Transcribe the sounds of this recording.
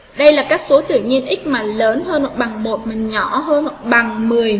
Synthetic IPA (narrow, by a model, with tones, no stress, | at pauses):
ɗə˧jlaː˨˩kaː˦˥k̚so˨˦t̪ɨ̰˧˨ɲi˧ənʔï˦˥k̟̚maː˨˩ləː˨˦nɦəː˧no˨˩ɓa˨˩ŋmo˨˩t̚mï˨˩ŋ̟ɲɔ˧˩ɦəː˧nmo˨˩t̚ɓa˨˩ŋmɨ˨˩əj